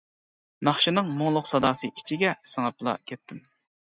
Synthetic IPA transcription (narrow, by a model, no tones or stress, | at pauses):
nɑχʃinɨŋmʊŋlˠʊqsɑd̪ɑːsɨʔit͡ʃʰiɡʲɛsɨŋɑplˠɑ̰kʲʰɛt̪ʰːɪm